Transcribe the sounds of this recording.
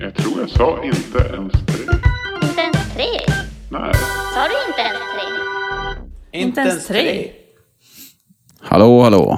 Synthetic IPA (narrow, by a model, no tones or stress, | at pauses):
jɑɡ̚t̪ʰɾuːɾjasɑːʔɪnt̪ə̰ʔɛnst̪ʰɾeːɪnt̪əɛnst̪ʰɾeːnɛ̰sɑːd̪ɵɪnt̪əɛnst̪ʰɾeː | ɪnt̪əɛsnt̪ʰɾeː | ha̰loːhalo̰ː